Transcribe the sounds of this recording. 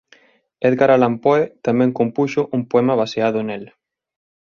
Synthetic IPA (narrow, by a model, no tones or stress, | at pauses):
eðɡaɾalampoet̪amɛ̃ŋkompuʃʊʔumpoɛmaβ̞aseaðʊnel